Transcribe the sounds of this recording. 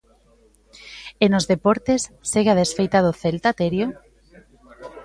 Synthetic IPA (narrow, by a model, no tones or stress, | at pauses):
enozðepoɾt̪esːeɣeað̞esfejt̪aðoθelt̪at̪eɾjo